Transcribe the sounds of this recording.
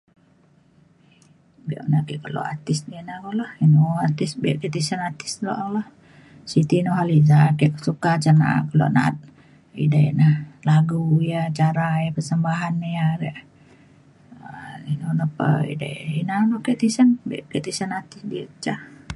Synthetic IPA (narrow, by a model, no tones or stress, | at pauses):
bɛ̰ʔunakɛkərlo̰a̰t̪ɪsdinakolahinoat̪ɪsbɛʔket̪isanat̪ɪ̥slo̰ʔalah | sit̪inoɦalizakɛʔkəsukat͡ʃana̰kəlo̰ʔna̰t̪̚ | ḭdaḭʔnahlaɡujat͡ʃaɾajapərsəmbaɦanːjaɾɛʔ | inonəpə̰ḭda̰j̰ʔinanoʔkɛʔt̪isanbɛ̰ʔket̪isanat̪ɪsdiət͡ʃa